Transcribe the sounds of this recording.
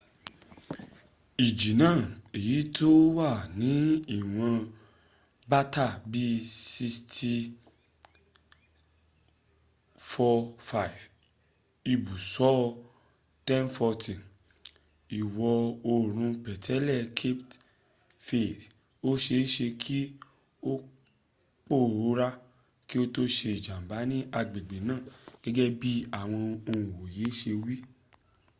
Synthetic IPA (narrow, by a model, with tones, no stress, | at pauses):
i˨d͡ʒi˨nãː˦˨e˨ji˨˦to˦wa˦˨nĩ˨˦i˦˨w̃ã˧ | ba˦ta˦˨bi˦si˧stʰi˧ | fɔ˧fa˦i˨v | i˧bu˨sɔ˨˦ | tɛ̃˦nfɔ˧tĩ˨ | i˨wɔ˧o˧ɾ̃ũ˧pɛ˨tʰɛ˨˦lɛ˦˨kʰe˦pt | fe˦˨d | o˦ʃe˧˦ʃe˧kʰi˦ | o˦ | k͡po˦˨ɾo˨˦ɾa˦ | ki˦o˦to˦ʃe˧i˨d͡ʒã˨m˨ba˨˦nĩ˦a˧ɡ͡be˨ɡ͡be˨nãː˦˨ɡ̥ɛ˦ɡɛ˦bi˦a˦˨w̃ɔ̃˧o˧ũ˨wo˨je˨˦ʃe˧wi˦